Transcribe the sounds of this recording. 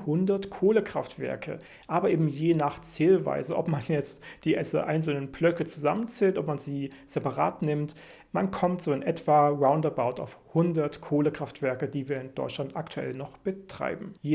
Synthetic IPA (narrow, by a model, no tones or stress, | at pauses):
hʊndɐtkʰoːləkʁ̥aftv̥ɛ̰ɐkʰə̰ | ʔaːbɐʔeːbm̩jeːnaːχt͡seːlva̰ɪzəʔɔ̰pmanjɛt͡std̥iːʔɛsə̰ʔaɪnsl̩nənblœkət͡suzamənt͡sɛːltʔɔpmanziːz̥ɛpaʁa̰ːtnɪmt | mankʰɔmtz̥oːɪnʔɛtv̥aːʁaʊndabaʊta̰ʊfhʊndɐtkʰoːləkʁ̥aftv̥ɛɐkəd̥iːviːɐɪndɔ̰ʏtt͡ʃlantaktʰuɛ̰lnɔχb̥ətʁ̥a̰ɪbm̩jeː